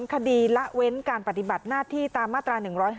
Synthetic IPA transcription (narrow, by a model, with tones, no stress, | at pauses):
nkʰa˧diː˧la˦˥ʔwe˦˥nkaː˧npɾa˧˩t̪i˨˩ba˨˩t̪̚naː˥˩t̪ʰiː˥˩t̪aː˧mːaː˥˩t̪ːɾaː˧nɯ˨˩ŋɾɔː˦˥jɦ